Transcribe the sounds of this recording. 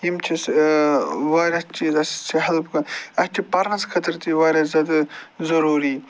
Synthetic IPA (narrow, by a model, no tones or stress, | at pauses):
jimt͡ʃʰis | ʋaːɾʲɐst͡ʃiːzɐsi̥t͡ʃʰiɦɐlbkɐnɐst͡ʃ̪ʲʰipɐɾnɐskʰɐt̪ɐɾt̪iʋaːɾʲɐzɐd̪zɐɾuːɾi